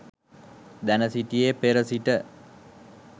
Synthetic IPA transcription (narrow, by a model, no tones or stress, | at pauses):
d̪ænəsiʈijepeɾəsiʈə